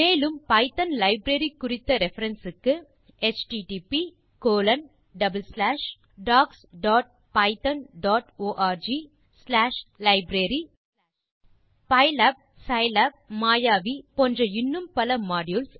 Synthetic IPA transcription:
eːlɯmpɐɪt̪ɐnlɐɪbɾɐɾikːʊrɪt̪ːɐɾɛfɐɾɐnsɯkːɯ | ɛt͡ʃʈiʈipi | koːlɐn | ɖɐbɐlslaːʂ | ɖaːksɖaːʈ̚ | pɐɪt̪ɐnɖaːʈoːʔaːɾd͡ʒi | slaːʂlɐɪbɾɐɾi | pɐɪlɐb̚ | sɐɪlɐb̚maːjaːʋipɔndrɐɪnːɯmpɐlɐmaːɽjuls

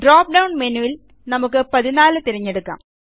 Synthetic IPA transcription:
ɖroːp̚ɖɐwɳmenujil | nɐmukːɨpɐðinaːlɨt̪iɾɐɲːe̞ɽukːa̰ːm

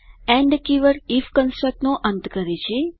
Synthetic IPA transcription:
ɛ̃ɳɖkiʋəɾifkə̃nsʈɾək̚ʈnoʔənt̪kəɾet͡ʃʰe

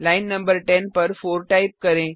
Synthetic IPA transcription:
laɪnːɐ̃mbəɾʈɛnpɐɾfoːɾʈaɪp̚kɐɾẽː

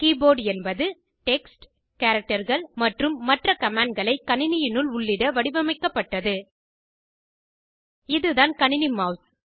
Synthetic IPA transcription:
kiːboːɖɛnbɐðɯ | ʈɛksʈ | kaːɾɐk̚ʈɐɾɣɐɭmɐʈrɯmːɐʈrɐkɐmaːɳɖ̚ɡɐɭɐɪkːɐɳɪnɪjɪnɯɭʊɭːɪɽɐʋɐɽɪʋɐmɐɪkːɐpːɐʈːɐðɯ | ɪðɯðaːnkɐɳɪnɪmɐːs

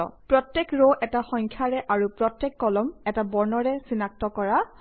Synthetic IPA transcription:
ɔ̰pɹɔtjekɹoʔɛtaxɔŋkʰjaɹɛʔaɹupɹɔtjɛkːɔlɔmɛtabɔɹnɔɹɛsinak̚tɔkɔɹa

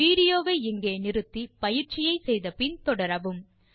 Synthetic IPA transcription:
iːɽɪjoːʋeːɪŋɡeːnɪɾɯt̪ːipɐjɪɾt͡ʃɪjɐɪsɛjðɐpɪnt̪ɔɽɐɾɐʋɯm

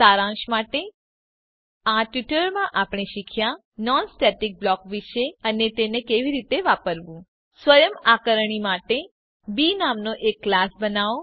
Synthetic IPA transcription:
aɾãʃmaʈe | aʈʋiʈəɾmãʔapɳ̃eʃikʰja | nɔnsʈɛʈik̚blɔkʋiʃeənet̪enekeʋiɾit̪eʋapəɾʋũ | sʋəjəmakəɾəɳ̃imaʈe | binamnoʔekːlasbənaʋo

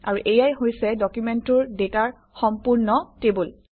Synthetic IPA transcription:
a̰ɹuʔejajɦojsɛdɔkjumɛntʊɹdetaɹ | xɔmpuɹnɔtebul

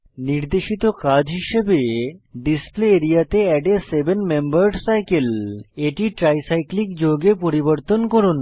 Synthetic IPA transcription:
niɾd̪eʃit̪okad͡ʑɦiʃebeɖispleeɾijat̪eɛɖeɾsebenmembaɾɖsajkeleʈiʈɾajsajklikd͡ʑoɡepoɾiboɾt̪onkoɾun

